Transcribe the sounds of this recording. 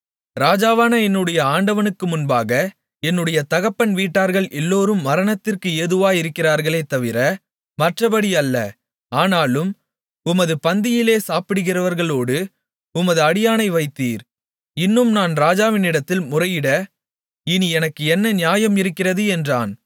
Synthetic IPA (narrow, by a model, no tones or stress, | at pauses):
ɾaːd͡ʒaːʋaːnɐɛnːɯɽɐjɐaːɳɖɐʋɐnɯkːɯmʊnbaːɣɐ | ɛnːɯɽɐjɐt̪ɐɣɐpːɐnʋiːʈːaːɾɣɐɭʔɛlːoːɾɯmːɐɾɐɳɐt̪ːɪrkɯeːðɯʋaːjɪɾɯkːɪraːɾɣɐɭeːt̪ːɐʋɪɾɐ | mɐʈrɐbɐɽiɐlːɐ̰ | aːnaːlɯm | ʊmɐðɯpɐnd̪ɪjɪleːsaːpɪɽɯɣɪrɐʋɐɾɣɐɭoːɽɯ | ʊmɐðɯɐɽɪjaːnɐɪʋɐɪt̪ːiːɾ | ɪnːɯmnaːnɾaːd͡ʒaːʋɪnɪɽɐt̪ːɪlmʊrɐjɪɽɐ | ɪniɛnɐkːɯɛnːɐnɪjaːjɐmɪɾɯkːɪrɐðɯɛndraːn